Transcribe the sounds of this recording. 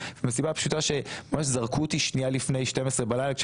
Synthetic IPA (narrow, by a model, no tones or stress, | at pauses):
vemesibapʃutaʃe̞mamaʃzaʁkut̪iʃnialifne̞jʃte̞mesʁebalajlakʃ